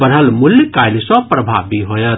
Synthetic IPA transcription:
bəɾɦəlmuljkajlsɔ̃pɾəbʱa̰biɦojət̪

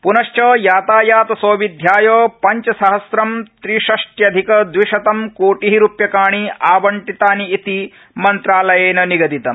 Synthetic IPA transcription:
punɐʃt͡ʃɐːjaːt̪aːjaːt̪ɐsoːʋid̪ʱjaːjoːpɐɲt͡ʃɐsɐɦɐsɾɐmt̪ɾiʃɐʂʈjɐd̪ʱikɐd̪ʋiʃɐt̪ɐmkoːʈiɦiɾupjɐkaːɳiaːbɐɳʈit̪aːniːt̪i | mɐnt̪ɾaːlɐjeːnɐniɡɐd̪it̪ɐm

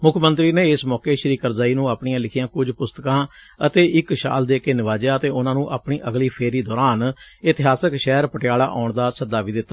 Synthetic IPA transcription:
mʊkʰmə̃nt̪ɾiːneːɪsmɔːkeːʃəɾiːkəɾzaːiːnũːaːpɳijãːlɪkʰɪjãːkʊd͡ʒpʊst̪əkãː | ət̪eːʔɪkʃa̰ːld̪eːkeːnɪʋaːd͡ʒjaːət̪eːʊnãːnũːʔa̰ːpɳiːʔəɡliːpʰeːɾiːd̪ɔːɾaːnɪt̪ɪɦaːsəkʃɛːɾpəʈjaːɽaːʔɔːɳd̪aːsəd̪ːaːʋiːd̪ɪt̪ːaː

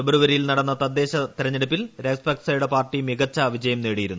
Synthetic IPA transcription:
ubɐɾuʋɐɾijilnɐɽɐnːɐt̪ɐd̪ːe̞ːɕɐt̪iɾɐɲːeɽup̬ːilɾekspɐksɐjuɽe̞paːrʈːimiɣɐt͡ɕːɐʋid͡ʑɐjɐmneːɽijiɾunː

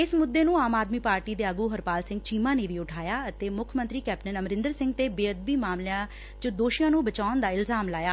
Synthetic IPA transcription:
ɪsmʊd̪ːeːnũːaːmaːd̪miːpaːɾʈiːd̪eːəɡuːɦəɾpaːlsɪ̃ŋɡt͡ʃiːmãːneːʋiːʊʈʰaːjaːət̪eːmʊkʰmənt̪ɾiːkɛːpʈənəmɾɪ̃nd̪əɾsɪ̃ŋɡ̚t̪eːbeːəd̪̚biːmaːmlejãː | t͡ʃəd̪oːʃijãːnũːbət͡ʃaːnd̪aːɪlzaːmlaːjaː

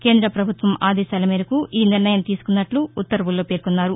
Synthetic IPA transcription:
ke̞ːnd̪ɾɐpɾɐbʱut̪ʋɐmaːd̪ɛːʃaːlɐmiːɾɐkuʔiːniɾɳɐjɐmt̪iːsu̥kunːɐʈluːt̪ːɐɾɐʋulːo̞ːpeːɾkunːaːɾu

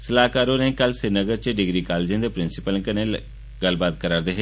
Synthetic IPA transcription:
səlaːkaːɾoːnẽːkəlsɪɾnəɡəɾt͡ʃəɖɪɡɾiːkaːled͡ʒə̃ːd̪eːpɾɪnsɪpəlkəneː | ɡəlbaːt̪̚kəɾaːɾd̪eːɦe

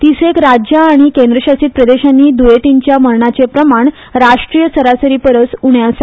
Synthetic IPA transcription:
t̪isekɾad͡ʑjaːɽ̃ikẽnd̪ɾəɕasiːt̪̚pɾəd̪eɕanːiːd̪ujeʈ̪iɲt͡ɕjaməɾɳat͡sepɾəmaɳ | ɾaʂʈɾijəsəɾasəɾiːpəɾət͡suɳjasa

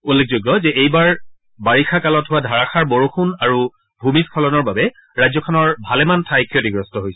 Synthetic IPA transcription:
ulːek̚ʰzoɡːɔzɛʔejbaɹ | baɹixʰakalɔtɦʊwadʱaɹaxʰaɹboɹoxunaɹu | bʱumiskʰɔlɔnɔɹbabɛ | ɹajzɔkʰɔnɔɹbʱalɛmantʰajkʰiotiɡɹɔstɔɦojsɛ̥

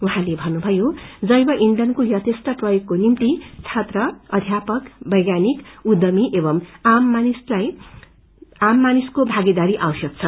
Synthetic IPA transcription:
uɦãlebʱʌnːubʱʌjod͡zʌjbʌʔiɳɖʌnkojʌt̪esʈʌprʌjoɡkːonimt̪it͡sʰat̪rʌʌd̪ʱjapʌkbʌjɡanikud̪ʌmiʔebʌmamːanislaj | amːaniskobʱaɡed̪aɾiʔawsʌk̚t͡sʰʌ

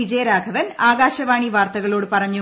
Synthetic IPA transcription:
id͡ʑɐjɐɾaːɡʱɐʋɐnaːɡaːɕɐʋaːɳiʋaːrt̪ɐɣɐɭo̞ːɽɨpɐrɐɲːu

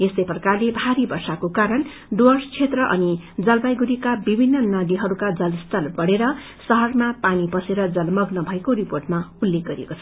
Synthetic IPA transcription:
est̪ʌjprʌkarlebʱaɾibʌrsakokaɾʌn | ɖʌrst͡sʰet̪rʌʔʌnid͡zʌlbajɡuɾikabibʱinːʌnʌd̪iɦʌɾukad͡zʌlst̪ʰʌlbʌɽeɾʌ | sʌɦʌrmapanipʌseɾʌd͡zʌlmʌɡnʌbʱʌekoɾiporʈmaulːek̚ɡʌɾiḛkot͡sʰ

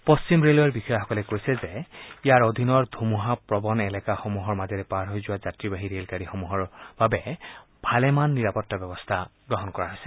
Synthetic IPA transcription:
pɔst͡ʃimɹelojaɹbixɔjxɔkɔlɛkojsɛzɛijaɹod̪ʱinɔɹd̪ʱumuɦapɹɔbɔnɛlɛkaxɔmuɦɔɹmazɛɾɛpaɹɦojzʊwazatɹibaɦiɹelkaɹixɔmuɦɔɹb̥abɛbʱalɛmanːiɹapɔtːabɛbɔstʰaɡɹɔɦɔnkɔɹaɦojsɛ̥

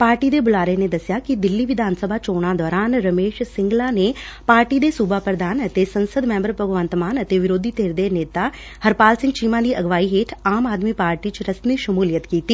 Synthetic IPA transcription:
paːɾʈiːd̪eːbʊlaːɾeːneːd̪əsjaːkɪd̪ɪlːiːʋɪd̪aːnsəbʱaːt͡ʃoːɽ̃ãːd̪ɔːɾaːnɾəmeːʃsɪ̃ŋɡlaːneːpaːɾʈiːd̪eːsuːbaːpɾəd̪aːnət̪eːsənsəd̪mɛ̃ːmbəɾpəɡʋə̃nt̪maːnət̪eːʋɪɾoːd̪ʱiːt̪eːɾd̪eːneːt̪aː | həɾpaːlsɪ̃ŋɡt͡ʃiːmãːd̪iːʔəɡʋaːiːɦeːʈʰaːmaːd̪miːpaːɾʈiːt͡ʃɾəsniːʃəmuːlɪjət̪kiːt̪iː

